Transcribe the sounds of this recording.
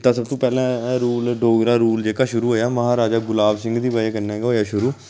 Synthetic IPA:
t̪ãːsəb̚t̪õːpɛːlɛ̃ːɾuːlɖoːɡɾaːɾuːld͡ʒeːkaːʃʊɾuːɦoːjaːməɦaːɾaːd͡ʒaːɡʊlaːbsɪ̃ŋɡd̪iːbaːeːkəɾnɛːɡɦoːjaːʃʊɾuː

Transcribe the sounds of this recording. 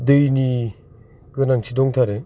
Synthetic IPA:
dɯjni | kɯnaŋt͡ɕʰidoŋtʰaɾe

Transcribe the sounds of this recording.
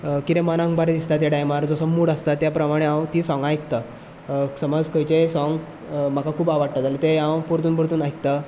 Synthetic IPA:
kit̪ẽmanãŋkbaɾed̪ist̪at̪̬jaɖajmaɾd͡zɔsəmuːɽəst̪at̪ːjapɾəmaɽ̃eãwt̪isɔ̃ŋɡajkt̪a | səmɔd͡zkəjt͡ɕesɔ̃ŋɡ | m̤akakʰuːbaʋaɽt̪at̪alet̪eãwpuɾt̪uːnpuɾt̪uːnajkt̪a

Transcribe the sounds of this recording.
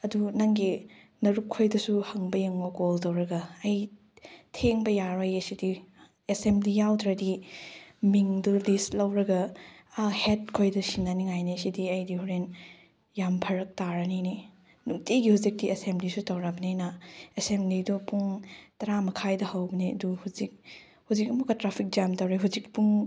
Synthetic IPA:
ɐdunɐŋɡi | nɐɾup̚kʰojdɐsuhɐŋbɐjɐŋbɐkoltɐwɾɐɡɐɐj | tʰeŋbɐjaɾojesidi | esemblijawdɾɐdi | miŋdulistlɐwɾɐɡɐː | het̚kʰojdɐsinːaniŋajnisidiɐjdihuɾen | jampʰɐɾɐk̚taɾɐnini | nuktiɡihuzik̚diesemblisutɐwɾabɐninɐesemblidupuŋtɐɾamɐkʰajdɐhɐwbɐniɐduhuzik̚ | huzik̚ɐmukɐtɾapʰik̚d͡ʒamtɐwɾiɦuzik̚puŋ

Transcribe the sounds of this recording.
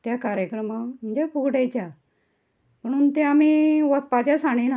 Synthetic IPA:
t̪jakaɾjəkɾəmaməɲd͡ʑepuɡɽet͡ɕja | m̤əɽ̃uːnt̪eamiʋəspat͡ɕjasaɽ̃in

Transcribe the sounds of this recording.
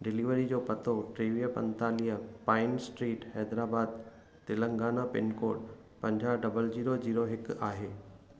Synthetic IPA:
ɖɪliʋəɾid͡ʑoːpɐt̪ʰoʈɾiːʋijəpɐ̰̃nt̪aːlijəpaːɪnsʈɾiːʈhɛːd̪ɾaːbaːd̪̚ | t̪ɪlə̃ŋɡaːnapɪnkoːʈ̚ | pɐ̃ɲd͡ʑʱaɖɐbəld͡ʑiːɾod͡ʑiːɾoɦɪkaːɦeː

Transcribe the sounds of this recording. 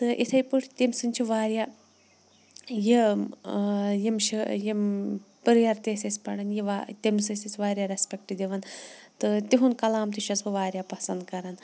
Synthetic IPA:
t̪ɨʔit̪ʰɐjpɨʈʰt̪imsɨnʲt͡ʃʰiʋaːɾja | ji | jimʃijimpɨɾjɐɾt̪esʲɐsʲpɐɽɐnjiʋat̪imsɨsʲisʲʋaːɾʲjaɾespʲekʈid̪iʋɐnt̪ɨt̪iɦunkɐlaːmt̪iʃɐsbɨʋaːɾjapɐsɐnd̪̚kɐɾɐn

